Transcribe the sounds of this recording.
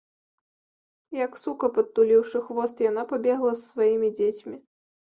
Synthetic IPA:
jɐksukɐpɐt̪ːulʲiwʂɨxvɔst̪janapabʲɛɣlˠɐssvajimʲid͡zʲet͡sʲmʲi

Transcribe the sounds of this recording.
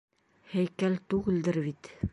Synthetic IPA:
hæjkælt̪ʉɣɘ̆ld̪ɘɾβit̪

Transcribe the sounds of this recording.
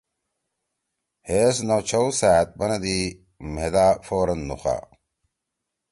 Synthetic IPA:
heːsnowt͡ɕʰowsaːt̪̚bɐnɐd̪i | med̪afoːɾɐnːṵxa̰

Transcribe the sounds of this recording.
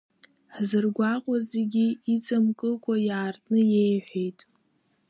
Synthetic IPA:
ħzɨrɡʷaqʷʼazeɡʲiit͡sʼamkʼɨlkʷʰʼajaːrtʼnɨjejħʷᶣejtʼ

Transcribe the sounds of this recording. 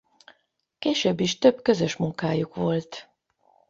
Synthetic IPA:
keːʃøːbːiʃt̪ø̞bkø̞zø̞ʃmuŋkaːjukʋo̞lt̪

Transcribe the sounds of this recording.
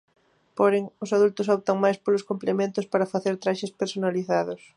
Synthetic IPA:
poɾeŋʊsaðult̪ʊsɔp̚t̪ɐŋmajspolʊskomplemẽnt̪ʊspaɾɐfaθeɾt̪ɾaʃespeɾsonaliθaðʊs

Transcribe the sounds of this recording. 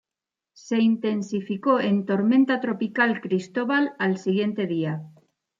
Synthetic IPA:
se̞int̪e̞nsifiko̞ent̪o̞ɾmẽnt̪at̪ɾo̞pikalkɾist̪o̞βalalsiɣ̞je̞nt̪e̞ð̞ia

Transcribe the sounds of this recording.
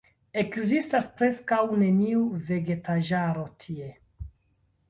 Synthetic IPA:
e̞kzistaspɾe̞skawne̞niuve̞ɡe̞taʒaɾo̞tʰie̞

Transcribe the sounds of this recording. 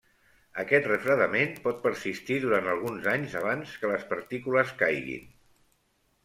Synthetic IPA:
əkɛt̪rəfɾəðəmenpɔt̪̚pəɾsist̪iðuɾant̪əlˠɣunzaɲzəβ̞anskələspəɾt̪ikuləskajɣḭn

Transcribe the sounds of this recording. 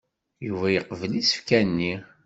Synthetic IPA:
juvæjəqvəlisə̥fkænːi

